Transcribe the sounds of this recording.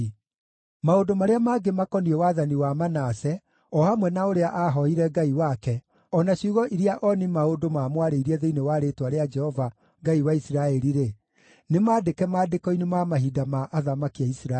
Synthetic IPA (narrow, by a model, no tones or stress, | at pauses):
maodomaɾeamaɡemakɔniɛwaðaniwamanasɛ | ɔhamwɛnaoɾeaʔaɦɔiɾɛɡaiwakɛ | ɔnaɕuɣɔʔiɾiaʔɔnimaodomamwaɾeiɾiɛðeinewaɾetwaɾead͡ʒɛhɔva | ŋɡaiwaisiɾaɛɾiɾe | nemaːdekɛmaːdekɔinemamaɦidamaʔːðamakiaisɾa